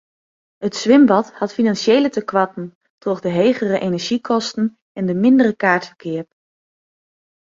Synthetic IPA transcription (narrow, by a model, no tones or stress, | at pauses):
ɦətsʋɪmbɑthɑtfinanseːlətəkʋɑtn̩ | trɔχdəɦejχərəʔenɛɹʒ̥ikʰɔstən̩ | ɛndəmɪndərəkaːɹtfəɹkʰɪːəɹp̚